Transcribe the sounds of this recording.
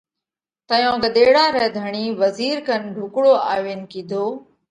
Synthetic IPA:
t̪əjõːɡəɗ̪eːɽaːɾɛɦd̪ʱəɳ̃iːʋəziːɾkənɖʱʊkɽoːa̰ːʋen̆kiːd̪ʱoː

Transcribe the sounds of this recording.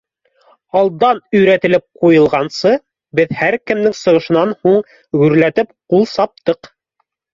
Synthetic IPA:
ɑlˠd̪ɑnɵ̆jɾæt̪ɘ̆lɘp̚qujɤ̆lˠʁɑnsɤ | bɘðhæɾkɘ̆mnɘŋsɤ̆ʁɤ̆ʃɤ̆nɑnhuɴ | ɡʉɾlæt̪ɘp̚qulˠsɑp̚t̪ɤq

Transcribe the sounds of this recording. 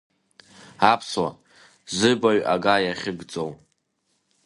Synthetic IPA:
apʰswa̰ | zɨbaɥʔa̰ɡajaχʲɪɡt͡sʼow

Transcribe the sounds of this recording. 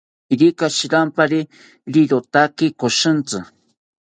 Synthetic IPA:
iɾikaʃiɾampaɾi | ɾiɾot̪akɪkoʃɨnt͡sɨ

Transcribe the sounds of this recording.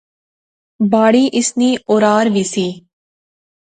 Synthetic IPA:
baːɽiːʔɪsniːʔʊːɾaːɾʋiːsiː

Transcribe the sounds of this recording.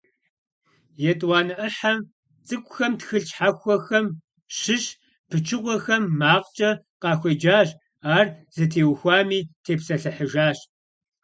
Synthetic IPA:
jɛtʼwɑːnɨʔɐħam | t͡sʼɨkʷʼʊxɐmtxɨɬt͡ʃʼħaxʷɔxɐm | ʃɨɕ | pʰɨt͡ʃʰɨʁʷɔxɐmːaːqt͡ʃʼɐ | qɑːxʷɔd͡ʒaːɕʼ | aːrz̥ɐtʰeːwxʷaːmiːtʰeːpsɐɬɐħəʒaːɕ

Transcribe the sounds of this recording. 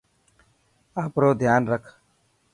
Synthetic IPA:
aːpɾoːd̪ʱjaːnɾəkʰ

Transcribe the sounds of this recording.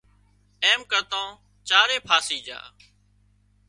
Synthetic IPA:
eːmkət̪õː | t͡ʃaːɾeːpʰaːsiːd͡ʒa̰ː

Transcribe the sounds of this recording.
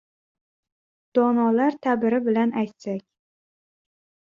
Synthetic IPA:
d̪̥ɒnɒlaɾt̪ʰabɪɾɪbɪlanajt̪sakʲ

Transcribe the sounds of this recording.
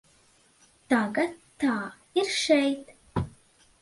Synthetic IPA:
t̪aːɡɐt̪ːʰ | aː | iɾʃɛjt̪

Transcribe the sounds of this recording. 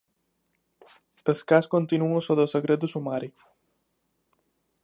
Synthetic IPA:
əskaskont̪inuəsoðəsəɣɾet̪̚d̪əsumaɾik

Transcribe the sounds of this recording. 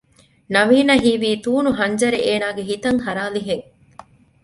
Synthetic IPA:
nɐʋiːnɐɦiːʋiːt̪uːnuɦɐɲd͡ʒɐɾeʔeːnaːɡeɦit̪ɐŋhɐɾaːliɦeŋ

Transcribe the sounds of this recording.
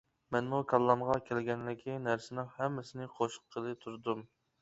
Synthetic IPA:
mɛnmukʰɑlˠːɑmʁɑkʲʰɛlɡʲɛnlɪkʲʰinæɾsɪnɨŋhɛmːɪsɪnɪqʰoʃqʰːəlˠɨt̪ʰuɾd̪um

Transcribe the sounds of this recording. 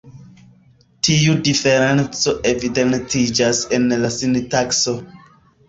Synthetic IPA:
tiudifeɾent͡soʔevidentid͡ʒase̞nlasintakso̞

